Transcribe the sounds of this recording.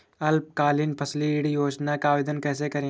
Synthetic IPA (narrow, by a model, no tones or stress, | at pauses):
ɐlp̚kaːlɪnpʰɐsliɽjoːd͡ʒnakaːʋɪd̪ənkɛːs̬ekɐɾẽ